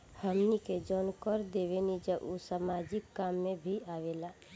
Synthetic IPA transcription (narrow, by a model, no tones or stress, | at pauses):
həmniked͡ʒɔːnkəɾd̪eʋenid͡ʒəʔusamaːd͡ʒɪkːaːmːẽbʱiaːʋelaː